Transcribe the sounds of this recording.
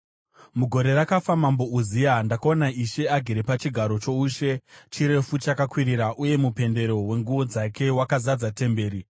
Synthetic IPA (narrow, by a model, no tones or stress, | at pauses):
muɡʱo̞ɾe̞ɾakafamambo̞uzijandakaonaiʃe̞aɡʱiɾepat͡ʃiɡʱaɾo̞t͡ʃo̞uːʃe̞t͡ʃiɾe̞fut͡ʃakakwiɾiɾaʔuje̞mupe̞nde̞ɾo̞we̞ŋɡuʋo̞d͡zake̞wakazad͡zate̞mbe̞ːɾi